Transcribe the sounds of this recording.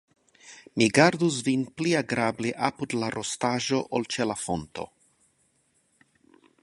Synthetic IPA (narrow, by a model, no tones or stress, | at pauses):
miɡaɾd̪usvinpliaɡɾabliʔapud̪laɾʔostaʒoʔolt͡ʃelafont̪o̞̰